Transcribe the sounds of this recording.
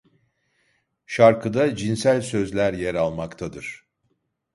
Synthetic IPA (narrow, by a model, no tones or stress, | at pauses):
ʃaɾkʰɯd̪ad͡ʒinsælʲsøzlʲæɾjeɾalˠmakt̪ʰad̪ɯɾ̥